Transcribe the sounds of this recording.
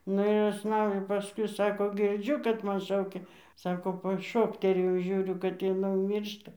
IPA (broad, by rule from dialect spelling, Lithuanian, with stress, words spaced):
ˈnʊ ɪr ʊʃˈsnɐʊdʲeː pɐˈskʊɪ ˈsɑːkoː ˈɡʲɪrʲd͡ʒʲʊ kɐt ˈmɐn ˈʃɐʊkʲɛ ˈsɑːkoː pɐˈʃoːktʲɛrʲeːjɛʊ ˈʒʲuːrʲʊ kɐt jɪˈnɐɪ jɛʊ ˈmʲiːrʃtɐ